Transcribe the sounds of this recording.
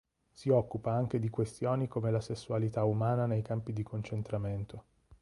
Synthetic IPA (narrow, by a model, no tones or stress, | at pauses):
siɔkːupaaŋk̟ed̪ikwest̪joːnikomelasesːualit̪aumaːnanejkampid̪ikʰont͡ʃent̪ɾament̪o